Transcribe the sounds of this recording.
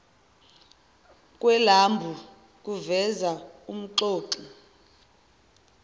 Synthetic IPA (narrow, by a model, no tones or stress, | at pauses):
kʼwɛlambʱu | k̬ʼuvɛzaum̩ǃoːǃi